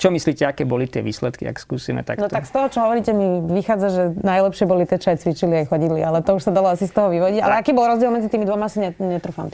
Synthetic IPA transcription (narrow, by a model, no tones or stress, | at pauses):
t͡ʃɔmisliːcɛakɛːbɔlit̪ɪɛ̰ʋḭːslɛt̪kḭa̰kskuːsimɛ̰t̪a̰nɔt̪akst̪ɔɦɔt͡ʃɔɦɔʋɔɾiːcɛmiʋixaːd͡zaʒɛnajlɛpʃɪɛbɔlit̪ɛt͡ʃajt͡sʋit͡ʃiliajxɔɟid̪lialɛt̪ɔuʃsad̪alɔasist̪ɔɦɔʋiʋɔɟiɟa̰lɛakiːbɔlˠɾɔzɟiɛlˠmɛd͡zit̪iːmid̪ʋɔmasiɲɛɲɛt̪ɾufamt̪